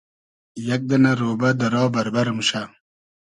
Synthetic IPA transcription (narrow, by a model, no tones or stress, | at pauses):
jɐk̚d̪ɐnaɾoːbɐd̪ɐɾɑːbɐɾbɐɾmɕa